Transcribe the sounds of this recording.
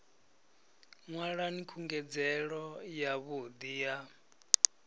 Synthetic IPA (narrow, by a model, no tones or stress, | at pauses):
ŋwaɺanikʰuŋɡɛd͡zɛɺɔjaβud̪ija